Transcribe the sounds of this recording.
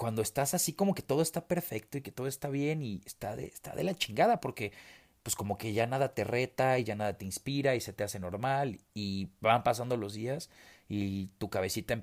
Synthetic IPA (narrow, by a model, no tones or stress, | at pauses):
kwand̪o̞e̞st̪asasiko̞mo̞ke̞t̪o̞ð̞o̞e̞st̪ape̞ɾfe̞k̚t̪oike̞t̪o̞ð̞oe̞st̪aβje̞niest̪aðḛst̪a̰ðe̞̰lat͡ʃiŋɡaðapo̞ɾke̞ | pwe̞sko̞mo̞ke̞ʝanaðat̪e̞re̞t̪aiʝanaðat̪einspiɾaise̞t̪e̞ase̞no̞ɾmalibampas̬and̪o̞lo̞zðiasit̪ukaβe̞sit̪aem